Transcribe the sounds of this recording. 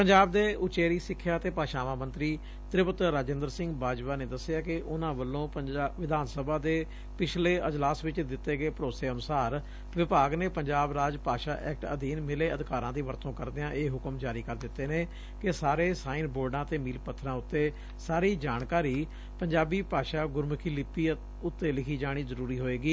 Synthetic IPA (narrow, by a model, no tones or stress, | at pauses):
pəɲd͡ʒaːbd̪eːʊt͡ʃeːɾiːsɪkʰːjaːt̪eːpaːʃaːmãːmə̃nt̪ɾiː | t̪ɾɪpət̪ɾaːd͡ʒə̃nd̪əɾsɪ̃ŋɡbaːd͡ʒʋaːneːd̪əsɪjaːkɪʔʊnãːbəlːõːʋɪd̪ʱaːnsəbaːd̪eː | pɪt͡ʃʰleːəd͡ʒlaːsʋɪt͡ʃd̪ɪt̪ːeːɡəeːpəɾoːseːənʊsaːɾ | ʋɪpaːɡneːpəɲd͡ʒaːbɾaːd͡ʒpaːʃaːʔɛ̰ːk̚ʈə̰d̪iːnmɪleːəd̪ɪkaːɾãːd̪iːʋəɾt̪õːkəɾd̪eãːʔeːɦʊkəmd͡ʒaːɾiːkəɾd̪ɪt̪ːeːneː | kɪsaːɾeːsaːinboːɖãːt̪eːmiːlpət̪ʰːɾãːʊt̪ːeː | saːɾiːd͡ʒaːɳkaːɾiː | pəɲd͡ʒaːbiːpaːʃaːɡʊɾməkʰiːlɪpːiː | ʊt̪ːeːlɪkʰiːd͡ʒaːɽ̃iːzəɾuːɾiːɦoːeːɡiː